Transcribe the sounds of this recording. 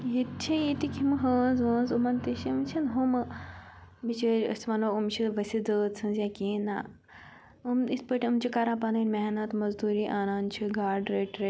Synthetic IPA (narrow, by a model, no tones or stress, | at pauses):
ɦit̪t͡ʃʰĩjit̪ikʰʲimɨɦəːnzɦəːnzumɐnt̪iʃimt͡ʃʰinɦum | mit͡ʃɐɾɐ̰sʋɐnoumt͡ʃʰiʋɐsʲid͡zəːt̪sʰɨnzjakiːna | umispəʈʲɨmt͡ʃʰikaɾãːpɐnɐnʲmɛɦnɐt̪mɐzd̪uːɾiːʔaːnaːnt͡ʃʰiɡaːɾɖɾeːʈɾe